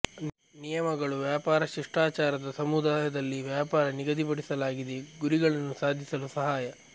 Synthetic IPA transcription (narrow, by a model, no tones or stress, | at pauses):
nijɐmɐɡɐɭuʋjaːpaːɾɐʃiʂʈaːt͡ʃaːɾɐd̪ɐsɐmud̪aːjɐd̪ɐlːiʋjaːpaːɾɐniɡɐd̪ipɐɽisɐlaːɡid̪eɡuɾiɡɐɭɐnːusaːd̪ʱːisɐlusɐɦaːjɐ